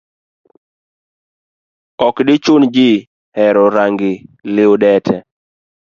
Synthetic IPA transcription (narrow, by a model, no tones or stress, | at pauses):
ɔkdɪt͡ʃʊnd͡ʒɪ | hɛɾɔɾaŋɡɪlɪoɗɛtʰɛ